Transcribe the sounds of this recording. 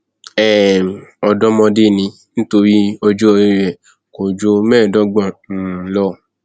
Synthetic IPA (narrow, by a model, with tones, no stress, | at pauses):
ɛ˨ɔ˧dɔ˦mɔ̃˧de˦˨nĩ˧ | ñ̩˦to˧ɾi˦ɔ˧d͡ʒo˦ɔ˧i˦ɾɛ˨ | ko˨d͡ʒo˧mɛ̃ː˦˨dɔ˦ɡ͡bã˦˨˦lɔ˦˨